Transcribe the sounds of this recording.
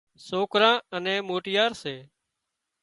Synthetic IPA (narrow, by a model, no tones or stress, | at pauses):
soːkɾãːənɛ̃ːmoːʈɪjaːɾseː